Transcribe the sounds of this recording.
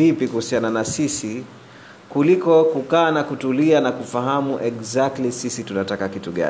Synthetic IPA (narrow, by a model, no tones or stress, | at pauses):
ipikuhusiananasisi | kulikɔkukaːnakutulianakufaɦamuʔɛɡzak̚tlisisitunatakakituɠa̰